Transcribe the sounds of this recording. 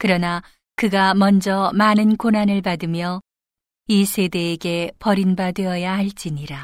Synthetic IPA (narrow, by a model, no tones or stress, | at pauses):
kɯɾʌna | kɯɡamʌnd͡ʑʌmanɯnkonɦanɯɭpadɯmjʌ | isʰe̞de̞ːɡe̞pʌɾinbadwe̞ʌjaɦaɭt͡ɕ͈iɲiɾa